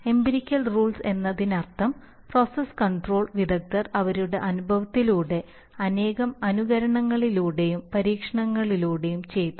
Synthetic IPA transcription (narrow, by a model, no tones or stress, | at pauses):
e̞mbiɾikʲːɐlruːɭse̞nːɐðinɐrt̪ʰɐm | pro̞ːseskɐɳɖro̞ːɭʋid̪ʱɐk̚t̪ɐrɐʋɐɾuɽe̞̰ʔɐnubʱɐʋɐt̪ːiluːɽe̞ | ɐne̞ːɣɐmɐnuɣɐɾɐɳɐŋːɐɭiluːɽe̞jumpɐɾiːkʂɐɳɐŋːɐɭiluːɽe̞jumt͡ɕe̞jt̪ːu̥